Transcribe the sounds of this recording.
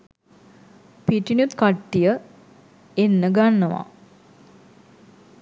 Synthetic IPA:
piʈinjut̪kaʈːijə | enːəɡanːəʋa̰

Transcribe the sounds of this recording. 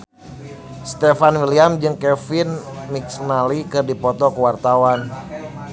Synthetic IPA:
st̪ɛfanwiliamd͡ʒɨŋkɛfinmiksnalikɨrdipɔt̪ɔkəwart̪awan

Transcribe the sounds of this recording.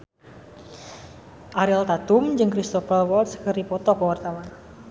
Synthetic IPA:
ʔaɾilt̪at̪umd͡ʒɨŋkɾist̪ɔfərwɔldskəripɔt̪ɔkəwart̪awan

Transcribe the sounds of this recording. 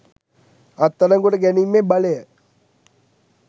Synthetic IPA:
ɐt̪ːɐɾɐŋɡuʈəɡɛnimːebɐlejə

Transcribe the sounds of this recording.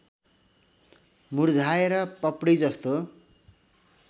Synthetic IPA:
muɽd͡zʱaeɾʌpʌpɽid͡zʌst̪o

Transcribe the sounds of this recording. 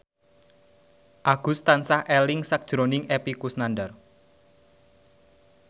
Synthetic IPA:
ʔaɡ̥ṳst̪ansahɛlɪŋsak̚ʒ̥ɾonɪŋepikusnandar

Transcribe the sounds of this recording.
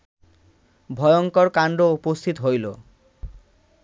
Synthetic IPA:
bʱɔjoŋkɔɾkaɳɖoupost̪ʰit̪oɦojlo

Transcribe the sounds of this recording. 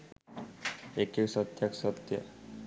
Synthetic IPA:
ekeksɔt̪jaksɔt̪ja̰

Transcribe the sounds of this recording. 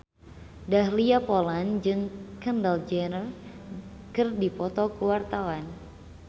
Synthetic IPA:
dahliapɔland͡ʒɨŋkəndald͡ʒɛnər | kɨrdipɔt̪ɔkuwart̪awan

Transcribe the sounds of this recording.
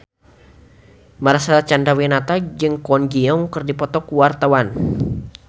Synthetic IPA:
maɾasaat͡ʃandawinat̪ad͡ʒɨŋkɔnɡiɔŋkɨrdipɔt̪ɔkuwart̪awan

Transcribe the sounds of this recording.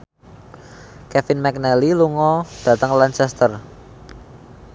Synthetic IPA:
kɛfɪnmɛk̚nɛliluŋɔd̥ä̤t̪əŋlant͡ʃɛst̪ər

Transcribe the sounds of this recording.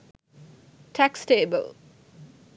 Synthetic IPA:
tʰæksteːbə̰l

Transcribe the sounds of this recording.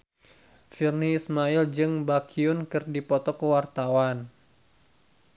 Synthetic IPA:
firniːsmaild͡ʒɨŋbakʰiʊnkɨrdipɔt̪ɔkəwart̪awan

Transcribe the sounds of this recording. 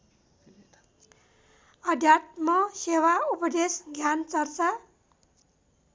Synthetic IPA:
ʌd̪ʱjat̪̚mʌsewaupʌd̪esɡʱjant͡sʌrt͡sa

